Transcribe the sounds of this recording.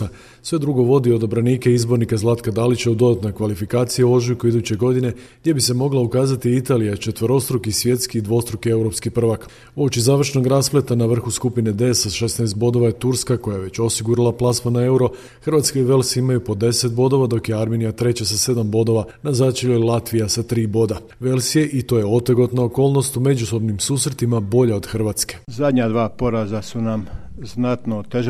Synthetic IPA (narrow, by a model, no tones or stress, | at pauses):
a | sʋe̞d̪ɾuɡo̞ʋo̞d̪io̞d̪obɾaniːkeizbo̞ɾnikazlˠat̪kad̪alit͡ɕaud̪o̞d̪at̪nokʋalifikaːt̪sijao̞ʒukuid̪ut͡ɕe̞ɡo̞d̪ine̞ɡd̪je̞bise̞mo̞ɡlˠaukaːzat̪iit̪aːlijat͡ʃe̞t̪ʋəɾo̞st̪ɾokisʋje̞t̪skiːd̪ʋo̞st̪ɾokie̞wɾo̞pskipr̩ʋak | oːt͡ʃizaːʋr̩ʃno̞ɡɾasple̞t̪anaʋr̩xuskupine̞d̪e̞saʃe̞snaest̪bo̞d̪o̞ʋajet̪uɾskako̞jajeʋe̞t͡ɕo̞siɡuɾalˠaplˠasmanae̞uɾo̞ | xrʋat̪skaiʋe̞lsiimajupo̞d̪e̞set̪̚bo̞d̪o̞ʋad̪o̞kje̞aɾme̞nijat̪ɾe̞t͡ɕasase̞d̪ambo̞d̪o̞ʋanazat͡ʃeʎolˠat̪ʋijasat̪ɾiːbo̞d̪a | ʋe̞lˠsije̞ʔit̪o̞ːje̞o̞t̪eɡo̞t̪nooko̞ːlˠno̞st̪ume̞d͡ʑuso̞bnimsuːsɾet̪imabo̞ʎao̞d̪xr̩ʋat̪ske̞̥zad̪ɲad̪ʋaːpo̞ɾazasunam | znat̪not̪eʒ